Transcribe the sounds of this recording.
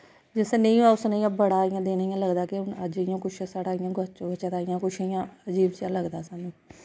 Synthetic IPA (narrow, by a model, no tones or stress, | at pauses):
d͡ʒɪsnẽĩːaːʊsnẽːãːbəɽaːɪjãːd̪eːnːjãːləɡd̪aːkɪʊnəd͡ʒɪjãːkʊt͡ʃʰsaːɽaːɪjãːɡət͡ʃõːbət͡ʃət̪aːɪjãːkʊt͡ʃʃʰjãːəd͡ʒiːbt͡ʃaːləɡd̪aːsaːnũː